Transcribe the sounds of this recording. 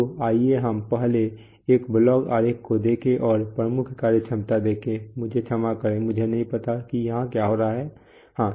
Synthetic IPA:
oaːieɦəmpɛɦle | eːkblɔːɡa̰ːɾekːod̪eːkʰẽʔɔːɾpɾəmʊkʰkaːɾet͡ʃʰɐmt̪ad̪eːkʰẽmʊd͡ʒʱet͡ʃʰɐmakəɾẽmʊd͡ʒʱenɐɦĩpɐt̪akijɐɦãkjaɦoːɾaaɦɛː | hãː

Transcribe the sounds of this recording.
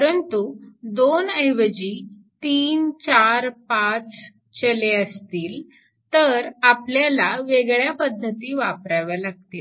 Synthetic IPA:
pəɾənt̪ud̪onəjʋəd͡ʑiː | t̪iːnt͡ɕaɾpat͡s | t͡ɕəleəst̪iːl | t̪əɾapljalaʋeɡɭjapəd̪ʱːət̪iːʋapɾaʋjalaɡ̚t̪iːl

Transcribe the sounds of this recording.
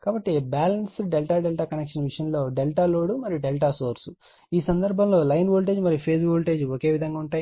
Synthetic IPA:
kaːbɐʈːibaːlɐnsɖelʈaːɖelʈaːkɐnekʂɐnʋiʂjɐnlo̞ːɖelʈaːloːɽumɐɾijuɖelʈaːsoːɾsu | iːsɐnd̪ɐɾbʱɐmlo̞ːlɐjnʋoːlʈ̬e̞ːd͡ʒmɐɾijupʰeːsʋoːlʈe̞ːd͡ʒɔke̞ːʋid̪ʱɐŋɡaːuɳʈaːji

